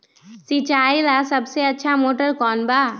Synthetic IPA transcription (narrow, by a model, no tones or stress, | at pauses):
sit͡ʃaːjlasəbseɐtːʃʰamoːʈəɾkɔːnbaː